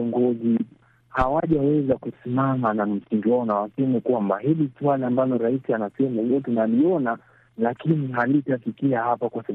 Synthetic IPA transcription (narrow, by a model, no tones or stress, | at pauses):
ɔŋɡɔzi | hawaʄawɛzakusimamanam̩siŋɡiwanawasɛmɛkwambaɦiliswaliambalɔɾaisianasɛmahijɔtunaliɔna | lakiniɦalitafikiahapakwasa